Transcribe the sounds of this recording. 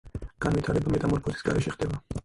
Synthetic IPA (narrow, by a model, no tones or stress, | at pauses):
ɡ̥anvit̪ʰaɾɛbamɛt̪ʼamɔɾpʰɔt̪ʰi̥sɡa̰ɾɛʃɛχd̪ɛba